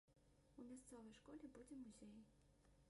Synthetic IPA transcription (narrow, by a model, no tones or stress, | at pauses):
umʲast̪sɔvɐjʂkɔlʲɛbud͡zʲɛmuzʲej